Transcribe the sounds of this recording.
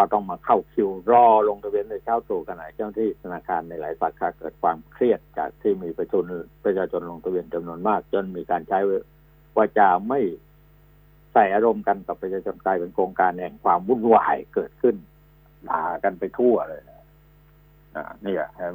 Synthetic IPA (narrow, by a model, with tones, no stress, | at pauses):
kʰa˧˩t̪ɔ˥˩ŋmaː˧kʰa˥˩wkʰi˧wɾɔː˧˩lo˧ŋt̪ʰa˧wi˧ənːda˧˩t͡ɕʰaː˧˥˩wt̪uː˨˩ka˧nʔa˨˩t͡ɕa˧˥˩na˧t̪ʰiː˥˩t̪ʰa˧naː˧˩kʰaː˧nːa˧jla̰ː˨˦jsa˨˦kʰːaː˧kɤː˨˩t̪̚kʰwaː˧mkʰɾi˥˩ət̪̚t͡ɕa̰ː˨˩k̚t̪ʰiː˥˩miː˧pɾa˧t͡ɕʰu˧npɾa˧t͡ɕʰaː˧t͡ɕʰo˧nlo˧ŋt̪ʰa˧wi˧ənt͡ɕa˧mnu˧ənmaː˥˩k̚t͡ɕo˧˥˨nmiː˧kaː˧nt͡ɕʰa˦˥jw | waː˧˩t͡ɕa˨˩ma˥˩j | sa˨˩jʔaː˧ɾo˧mka˧nka˨˩pːɾa˧t͡ɕʰaː˧t͡ɕʰo˧nklaː˧jpe˧nkʰɾoː˧ŋkaː˧nhɛ˨˧˩ŋkʰwaː˧mːu˧˥˩nwa̰ː˨˩jkɤː˨˩t̪̚kʰɯ˥˩n | la̰ː˨˦ka˧npa˧jt̪ʰu˥˩ɐlɤː˧ja˧˩ | ʔa̰˧˩niː˧˥˩a̰˨˩h